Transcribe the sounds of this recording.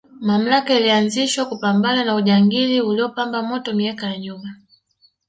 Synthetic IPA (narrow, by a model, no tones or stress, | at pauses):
mam̩lakailianziʃwakupambananauʄaŋɡiliuliɔpambamɔtɔmiakajaɲuma